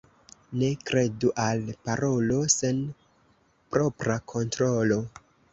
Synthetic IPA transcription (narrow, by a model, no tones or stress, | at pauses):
ne̞kɾe̞duʔalpaɾo̞lo̞se̞n | pɾo̞pɾakʰo̞ntɾo̞lo̞